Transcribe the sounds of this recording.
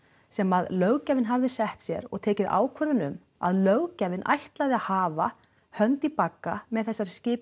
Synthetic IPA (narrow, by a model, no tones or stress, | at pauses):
sɛmaðlœɣcavɪnɦavðɪsɛht̪sjɛ̰ɾɔ̰ɣt̪ʰeːjcɪða̰ːwkʰvœðʏnʏm | a̰ðlœwɣcavɪnʔa̰jht̪lajðɪaðhaːva | hœnt̪ipakːamɛðθɛsːaɾ̥scɪːp